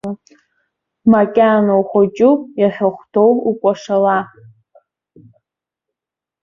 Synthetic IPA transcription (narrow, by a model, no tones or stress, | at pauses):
makʲʼanowχʷot͡ʃʼujaħʷᶣaχʷtʰowukʷʼaʂala